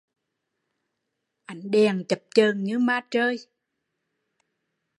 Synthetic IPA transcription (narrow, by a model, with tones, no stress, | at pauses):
ʔa˨˩jŋ̟ɗɛ˨˩ŋt͡ɕə˨˩p̚t͡ɕəː˧˩ŋɲɨ˧˦maː˧˥t͡ɕəː˧j